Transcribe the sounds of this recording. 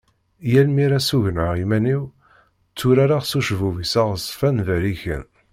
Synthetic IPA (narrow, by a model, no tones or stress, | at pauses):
jælmiɾæsuʝənəʁimæniw | t͡sːuɾaɾaʁsuʃvuvisaʁəsˤfænðæɾiçə̰n